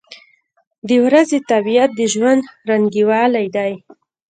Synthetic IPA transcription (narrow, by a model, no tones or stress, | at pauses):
d̪əwɾazet̪abijat̪̚d̪əʒwand̪ɾaŋɡiwɑlajd̪aj